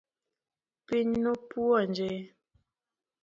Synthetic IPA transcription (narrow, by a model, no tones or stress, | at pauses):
piɲnopuɔnd͡ʒe